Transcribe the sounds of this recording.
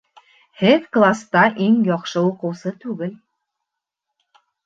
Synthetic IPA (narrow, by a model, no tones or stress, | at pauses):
hɘðklˠast̪ɑʔiŋjɒqʃɤuqɤ̆wsɤt̪ʉɡɘl